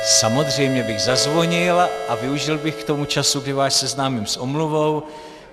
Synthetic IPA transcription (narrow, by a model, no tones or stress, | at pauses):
samo̞d̪r̝ɛjmɲɛbɪɣzazvo̞ɲɪlʔavɪuʒɪlbɪxkt̪o̞mut͡ʃasuɡdɪvaːʃsɛznaːmimsʔomluvo̞w